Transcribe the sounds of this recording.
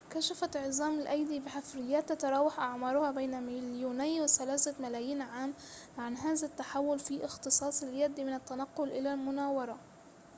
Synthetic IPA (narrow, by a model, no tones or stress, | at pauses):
kaʃafaʕzˤɑːmɪlʔajd̪ibɪħafɾɪjːaːt̪ːat̪ɑɾˤɑːwaħʔaʕmɑːɾˤʊhɑbejnamaljuːnɪjːwɪθalaːsamalaːjiːnʕaːmʕanɦaːzat̪ːaħawːʊlfiʔɪxt̪ɨsˤɑːsˤɪljad̪imɪnat̪ːanaqːʊlʔɪlalmʊnaːwɑɾˤɑ